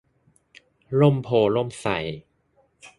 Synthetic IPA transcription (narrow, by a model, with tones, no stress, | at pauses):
lo˥˩˨mpʰoː˨˩lo˥˩msa˨˩˦j